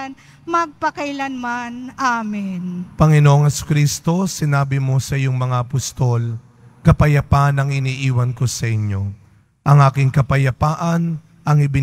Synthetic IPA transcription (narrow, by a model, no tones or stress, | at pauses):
n | mɐɡ̚pɐkɐjlanmanʔamɪnpɐŋɪno̞ʔoŋhɛsʊ̥kɾist̪o̞sɪnaːbɪmo̞sɐjoŋmɐŋaʔɐpost̪o̞l | kɐpɐjɐpaʔɐnɐŋɪniːʔiːwɐnko̞sɐʔɪɲjo̞ | ʔɐŋʔaːkɪŋkɐpɐjɐpaːʔɐn | ʔɐŋɪbɪ